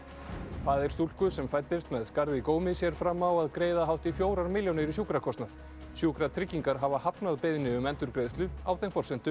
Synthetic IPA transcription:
faːðɪɾ̥st̪ulkʏsɛmfajt̪ɪst̪mɛðskaɾðɪkoːwmɪsjɛɾ̥fɾamːawaðkɾeːjðaɦawht̪ifjoːwɾaɾmɪljownɪɾisjuːkɾakʰɔst̪nað̥ | sjuːkɾat̪ʰɾɪcːiŋkaɾɦavahapnaðpejðnɪʏmɛnt̪ʏɾkɾeːjðst̪lʏawθejnfɔr̥sɛnt̪ʏ

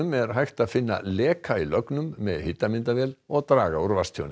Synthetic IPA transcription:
ʏmɛɾ̥ɦajxt̪aðfɪnːa̰lɛːkʰailœknʏmːɛðhɪt̪ːamɪnt̪avjɛːlɔɣt̪ɾaːɣauɾvast̪ʰjo̰wnɪ

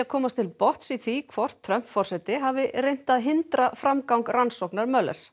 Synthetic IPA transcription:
akʰɔːmast̪ʰɪlpɔht̪siθikʰvɔr̥t̪ʰːɾœm̥p̪fɔr̥sɛt̪ɪɦaːvɪrejn̥t̪aðɦɪnt̪ɾafɾamkawŋkransɔwknaɾmœlɛ̰r̥s

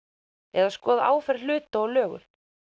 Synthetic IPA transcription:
ɛðaskɔːða̰ʔa̰ːwfɛɾl̥ʏːt̪aɔlœːɣʏ̰l

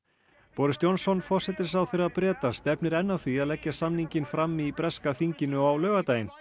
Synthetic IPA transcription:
pɔːɾɪst̪jɔnsɔnfɔr̥sɛt̪ɪ̥s̬awθɪɾaðpɾɛːt̪ast̪ɛpnɪɾɛnːawθviaðlɛcːasamniɲcɪnfɾamːipɾɛskaθiɲcɪnʏawlœːɣat̪aːjɪn

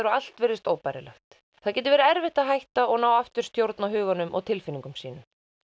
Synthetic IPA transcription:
ɾɔal̥t̪vɛjɾðɪst̪oːwpajɾɪ̰lɛ̰xt̪ | θaðcɛːt̪ɪɾvɛːɾaɛɾvɪht̪aɦajht̪aɔɣnaːwaft̪ʏ̥st̪jowɾt̪naɦʏːɣanʏmʔɔ̰ɣt̪ʰɪlfɪniŋkʏmsiːnʏ

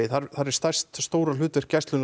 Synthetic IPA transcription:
ɪθaɾθaɾɛ̥st̪ajst̪st̪oːwɾalʏːt̪ɪɾ̥cɛst̪lʏn

